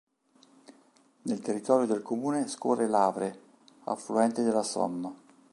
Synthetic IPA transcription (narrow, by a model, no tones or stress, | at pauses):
nelt̪erːit̪ɔːɾjod̪elkomuːneskoːrelaːvɾe | a̰fluɛnt̪ed̪elːasɔ̰nːa